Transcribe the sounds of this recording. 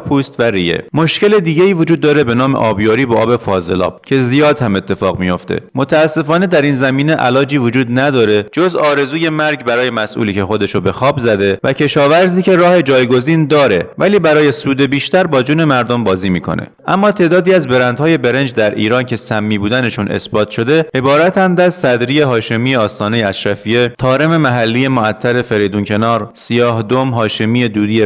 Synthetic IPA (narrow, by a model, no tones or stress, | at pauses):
pʰuːst̪væɾḭːjḛmo̞ʃce̞le̞d̪iːɟe̞iːvod͡ʒuːd̪̚ːɒːɾe̞be̞nɒːme̞̰ʔɒ̰ːbjɒːɾiːbɒːʔɒːbe̞fɒːze̞lɒ̰ːb̥̚cʰe̞zijɒːd̪hæme̞t̪ʰːe̞fɒ̰ːɣmijo̞̰ft̪ḛmo̞t̪ʰæːsːe̞fɒːne̞d̪æɾiːnzæmiːne̞ʔæ̰lɒːd͡ʒiːvod͡ʒuːd̪næd̪ɒːɾe̞d͡ʒo̞zɒːɾe̞zuːje̞mæɾɟbæɾɒːje̞mæsʔṵːliːcʰe̞xo̞d̪e̞ʃobe̞xɒːbzæd̪e̞væcʰe̞ʃɒːvæɾziːce̞ɾɒːhe̞d͡ʒɒːjɡo̞ziːnd̪ɒːɾe̞væliːbæɾɒːje̞suːd̪e̞biːʃt̪æɾbɒːd͡ʒuːne̞mæɾd̪o̞mbɒːziːmiːkʰo̞̰nʔḛʔæmːɒːt̪ʰe̞ːd̪ɒːd̪iːæzbe̞ɾænd̪hɒːje̞be̞ɾend͡ʒd̪æɾʔḭːɾɒːncʰe̞sæmːiːbuːd̪æne̞ʃunʔe̞̰sbɒːt̪ʰʃo̞d̪e̞e̞bɒːɾæt̪ʰænd̪æzsæd̪ɾiːje̞ɦɒːʃe̞mije̞ɒːst̪ɒːne̞jeæsʃæfie̞t̪ʰɒːɾe̞me̞mæɦælːiːje̞moæt̪ʰːæɾe̞fe̞ɾe̞jd̪uncʰe̞nɒːɾsijɒːɦd̪o̞mɦɒːʃemiːje̞d̪uːd̪iːje